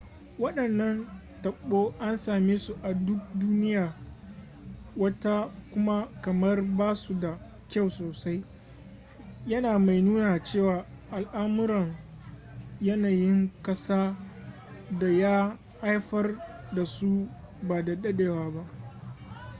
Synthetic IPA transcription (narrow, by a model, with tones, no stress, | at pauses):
wɐ˦ɗɐ˨nːɐ˦n | tɐ˨ɓːoː˦ʔa˦nsaː˨meː˦su˦ʔa˨dʊ˦k̚duː˦nɪ˦jaː˨ | wɐ˦ta˦kʷʊ˦ma˦kɐ˨mɐ˦rbaː˦su˨da˨ | kʲa˦˨wsoː˨sa˦j | jɐ˦naː˨ma˨jnuː˦naː˨t͡ʃeː˦˨waː˨ | ʔa˨lʔaː˦mʊ˦ɾɐ˨ŋ | jɐ˦naː˨jɪ˦ŋkɐ˦saː˦ | da˨jaː˦ | ha˦jɸɐ˦rda˨su˦ | baː˨da˨ɗɐ˦ɗeː˨waː˦ba˦ʔ